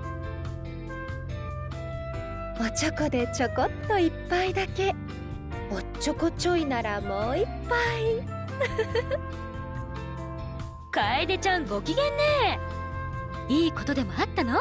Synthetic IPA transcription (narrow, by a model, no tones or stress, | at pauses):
ot͡ɕokod̪e̞t͡ɕo̞kot̪ːo̞ipːaid̪ake̞ | ot͡ɕːokot͡ɕo̞inaɾamo̞ːipːai | kaed̪et͡ɕãŋɡo̞kʲiɡẽ̞nːe | iːko̞t̪o̞d̪e̞moat̪ːano